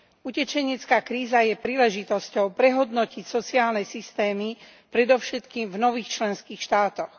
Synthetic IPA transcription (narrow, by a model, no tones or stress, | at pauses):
ucɛt͡ʃɛɲɪɛt͡skaːkɾiːzajɛpɾiːlɛʒit̪ɔscɔʊpɾɛɦɔd̪nɔcicsɔt͡siaːlnɛsist̪ɛːmi | pɾɛd̪ɔʊʃɛt̪kiːmvnɔʋiːxt͡ʃlɛnskiːxʃt̪aːt̪ɔx